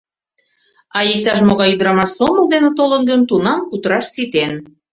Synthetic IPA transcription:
ɑjik̚t̪ɑʃmoɣɑjyd̪ɾɑmɑʃsoməld̪enĕt̪olə̆nɡənt̪unɑmkut̪əɾɑʃsit̪en

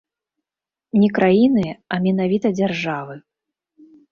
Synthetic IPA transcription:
nʲɛkɾajinɨɐmʲɛn̪avʲit̪ɐd͡zʲarʐavɨ

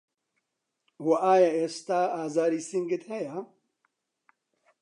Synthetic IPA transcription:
wɐʔaːjaeːst̪aːaːzaːɾiːsiŋɡɨt̪hɛja

